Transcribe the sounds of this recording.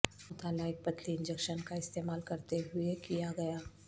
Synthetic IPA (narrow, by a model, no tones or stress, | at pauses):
mʊt̪aːlaɪk̚pɐt̪liɪ̃nd͡ʒɛkʃənkaɪst̪eːmaːlkɐɾt̪eɦʊekijaɡɐjaː